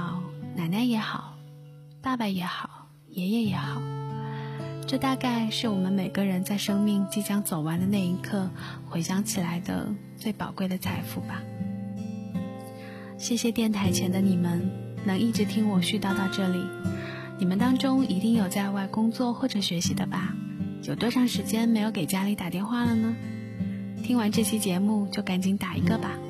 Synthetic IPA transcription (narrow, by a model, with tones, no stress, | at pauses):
ɑ˨˩˦ʊna˨˩ɪna˥˩jɛ˧˥xɑ˨˩˦ʊ | t̪a˥˩pa˧˩ɪjɛ˧˥xɑ˨˩˦ʊ | jɛ˧˥jɛ˧˩jɛ˧˥xɑ˨˩˦ʊ | ʈ͡ʂɤ˥˧t̪a˥˧ka˥˧ɪʂɻ̩˥˩wɔ˨˩mə˦nme˨˩ɪɡə˦ɻə˧˥nt͡sa˥˩ɪʂɤ˥ŋmi˥˩ŋt͡ɕi˥˩t͡ɕjɑ˥ŋt͡so˨˩ʊwa˧˥nd̪ə˧ne˥˩ɪi˧˥kʰɤ˥˩ | xwe˧˥ɪɕjɑ˥ŋt͡ɕʰi˨˩la˧˥ɪd̪ə̰˧ | t͡swe˥˩ɪpɑ˨˩ʊkwe˥˩ɪd̪ə˩t͡sʰa˧˥ɪfu˥˩ba˩ | ɕjɛ˥˩ɕjɛ˧t̪jɛ˥˩nt̪ʰa˧˥ɪt͡ɕʰjɛ˧˥nd̪ə˧ni˨˩mə˦n | nɤ˧˥ŋi˥˩ʈ͡ʂɻ̩˧˥t̪ʰi˥ŋwɔ˨˩ɕy˥˧t̪ɑ˥˧ʊt̪ɑ˥˧ʊʈ͡ʂɤ˥˩li˨˩˦ | ni˨˩mə˦nt̪ɑ˥ŋʈ͡ʂʊ˥ŋi˧˥t̪i˥˩ŋjo˨˩ʊt͡sa˥˧ɪwa˥˩ɪkʊ˥ŋt͡swɔ˥˧xwɔ˥˩ʈ͡ʂɤ˨˩ɕɥɛ˧˥ɕi˧˥d̪ə˧ba˨˩ | jo˨ʊt̪wɔ˥ʂɑ˥˩ŋʂɻ̩˧˥t͡ɕjɛ˥nme˧˥ɪjo˧˥ʊke˨˩ɪt͡ɕja˥li˧˥t̪a˨˩t̪jɛ˥˧nxwa˥˩lə˩nə˩ | t̪ʰi˥ŋwa˧˥nʈ͡ʂɤ˥˩ɕjɛ˥t͡ɕjɛ˧˥mu˥˧t͡ɕjo˥˩ʊka˨˧˩nt͡ɕʰi˧˥ŋt̪a˨˩ḭ˧˥ɡə˧ba˨˩